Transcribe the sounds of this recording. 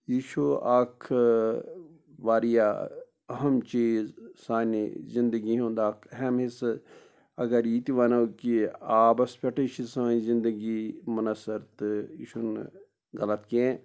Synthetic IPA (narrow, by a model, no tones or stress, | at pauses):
jiːʃuaːkʰ | ʋaːɾija | ɐɦɐmt͡ʃiːzsaːnḭzĩnd̪əɡiɦõːnd̪aːkʰɦɛmɦis | ɐɡɐɾiːt̪iʋaːnɐkiaːbɐspʲɐʈeʃisɐːzɪ̃nd̪əɡimɐnɐsɐɾt̪iːʃun | ɡɐlɐt̪kẽ